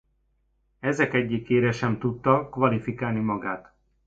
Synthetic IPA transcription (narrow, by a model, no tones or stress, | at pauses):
ɛzɛkɛɟːikeːɾɛʃɛmt̪ut̪ːɒkʋɒlifikaːlnimɒɡaːt̪